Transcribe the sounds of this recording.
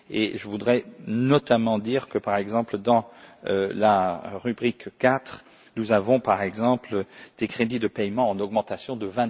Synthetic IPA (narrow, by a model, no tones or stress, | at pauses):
ḛʒəvud̪ʁɛnɔt̪amɑ̃d̪iʁkəpaʁɛɡzɑ̃pld̪ɑ̃ølaʁybʁikːat̪χ | nuzavɔ̃paʁɛɡzɑ̃pld̪̥ekχed̪id̪əpɛjmɑ̃ɑ̃nɔɡmɑ̃t̪asjɔ̃d̪əvɛ̃